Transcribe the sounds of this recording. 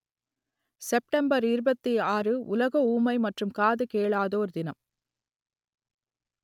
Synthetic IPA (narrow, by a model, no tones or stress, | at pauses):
sɛp̚ʈɐmbɐɾɪɾɯbɐt̪ːiaːrɯʊlɐɣɐuːmɐɪmɐʈrɯmkaːðɯkeːɭaːðoːɾd̪ɪnɐm